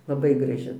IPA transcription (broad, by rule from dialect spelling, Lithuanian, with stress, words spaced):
lˠɐˈbɐɪ ɡrɐˈʒʲɪ